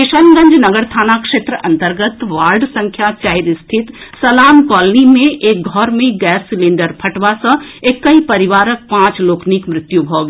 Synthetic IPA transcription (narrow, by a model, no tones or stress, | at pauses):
ɪʃənɡə̃ɲd͡ʒnɐɡəɾt̪ʰaːnakʃeːt̪ɾəʔɐ̃nt̪əɾɡət̪ʋaːlɖsɐ̃ŋkʰjat͡ʃaːɪɾst̪ʰɪt̪sɐlaːmkɔːlnimẽʔeːk̚ɡʱɔːɾmẽɡɛːsːɪlɪ̃ɳɖəɾpʰɐʈʋasə̃eːkːɐipɐɾɪʋaːɾək̚pãːt͡ʃloːknikmɾɪt̪jubʱoːɡ